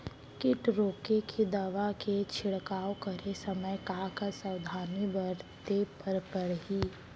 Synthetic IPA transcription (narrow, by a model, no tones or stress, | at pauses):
kɪʈɾoːkekʰid̪ɐʋaket͡ʃʰɪɽkaːokɐɾesɐməjkakasɐwd̪ʱaːnibɐɾt̪epəɾpəɽɦiː